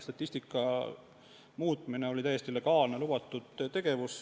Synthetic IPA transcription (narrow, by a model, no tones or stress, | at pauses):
st̪ɑt̪ʲːˑisʲt̪ikːˑɑ | muːt̪̚ˑmine̞o̞lit̪æjest̪ile̞ɡ̥ɑːlne̞lub̥ɑt̪ːˑud̪̥t̪e̞ɡ̥e̞vus